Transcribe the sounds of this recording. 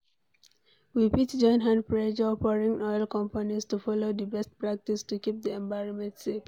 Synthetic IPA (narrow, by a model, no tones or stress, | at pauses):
wipitd͡ʒɔ̃ɪ̃nɦãndpɹed͡ʒɔpɔɹĩŋɔɪlkɔ̃mpanistufɔlod̪əbɛst̚pɹak̚tistukip̚d̪iɛ̃ɱbaɪɹɔmɛ̃ntsek